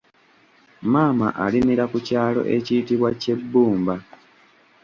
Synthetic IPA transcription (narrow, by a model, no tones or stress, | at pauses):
maːma̰ʔalimiɾakucaːlo̞̰ʔeciːtiβwace̞bːuːmba